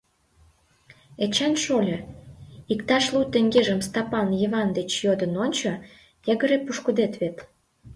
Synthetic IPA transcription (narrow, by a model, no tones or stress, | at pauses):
et͡ɕenʃolʲɤ | ikt̪ɑʃlut̪eŋɡeʒəmst̪ɑpɑnjiβɑnd̪et͡ɕjod̪ə̆nonʲt͡ɕo | jə̆ɡə̆ɾepuʃkud̪et̪βet̪